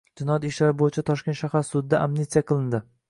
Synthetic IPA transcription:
d͡ʒɪnɒjɒt̪ɪʃlaɾɪbojɪt͡ʃʰat̪ʰɒʃkʲe̞nt̪ʃahaɾsʊd̪ːaʔamnɪt̪sijaqʰɨlˠɪnd̪ɪ

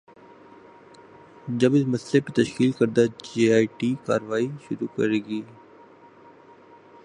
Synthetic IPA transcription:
d͡ʒəbɪsməslepet̪əʃkiːlkəɾd̪aːd͡ʒeːaːiʈiːka̰ːɾʋaːiʃʊɾuːkə̰ɾeːɡiː

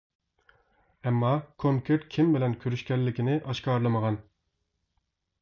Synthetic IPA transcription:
ɛmːɑkʰoŋkʲʰeɾt̪kʲʰimbɪlɛnkʲʰøɾyʃkʲɛlːɪkʲɪnɪʔɑʃkɑːɾlˠɨməʁɑn

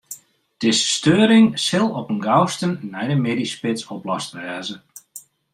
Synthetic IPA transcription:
d̥ɪsəstøːɾɪŋsɪlˠɔpənɡawstənnːɛjdəmedispɪsɔplɔstʋɛːzə

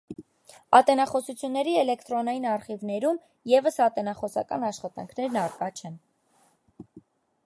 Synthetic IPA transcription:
ɑt̪ɛnɑχɔsut͡sʰjunːɛɾiɛlɛkʰt̪ɾɔnɑjinɑɾχivnɛɾum | jɛvəsɑt̪ɛnɑχɔsɑ̰kɑ̰nɑʃχɑt̪ɑ̰ŋkʰnɛɾnɑɾkɑt͡ʃʰɛn

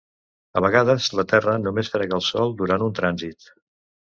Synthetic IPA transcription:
əβəɣaðəzlət̪ɛrənumesfɾɛɣəːlˠsɔlˠd̪uɾant̪unt̪ɾanzit̪

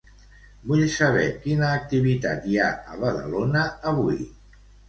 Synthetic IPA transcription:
buʎsəβ̞ɛ̰kinəːk̚t̪iβ̞it̪at̪jaə̰βəðə̰lonəːβui

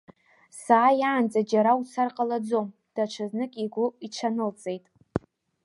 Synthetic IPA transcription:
saːjaːnt͡sʼad͡ʒaɾawt͡sʰarqʼalad͡zo̞m | d̥aʈ͡ʂʷʰɨznɨkʲʼiɡʷʊiʈ͡ʂʷʰanɨlt͡sʼe̞jtʼ

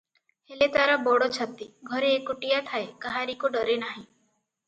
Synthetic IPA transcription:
helet̪aɾabɔɽɔt͡ʃʰɔt̪iɡʱɔɾeːkuʈijat̪ʰaekaɦaɾikuɖɔɾenaɦĩ

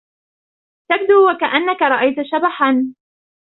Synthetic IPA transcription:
t̪ab̚d̪uːwakaʔanːakaɾˤɑʔajt̪aʃabaħan

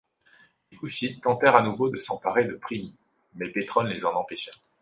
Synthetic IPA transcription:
ekuʃit̪ːɑ̃t̪ɛʁanuvod̪əsɑ̃paʁed̪əpχimi | mɛpet̪χɔllezɑ̃nɑ̃peʃɛ

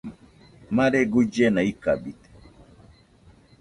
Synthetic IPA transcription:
maɾɛɡud͡ʒɛnaikabitɛ̥

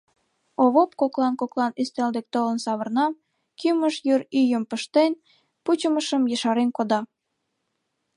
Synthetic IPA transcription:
oβopkoklɑnkoklɑnyst̪eld̪ek̚t̪olə̆nsɑβərnɑm | kyməʃjyryjəmpəʃt̪en | put͡ɕəməʃəmjəʃɑɾenkod̪ɑ

